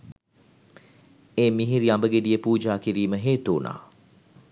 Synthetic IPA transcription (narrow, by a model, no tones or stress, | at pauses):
eːmiɦiɾiambəɡedijəpuːd͡ʒaːkiɾiːməɦeːt̪uːnʔa̰ː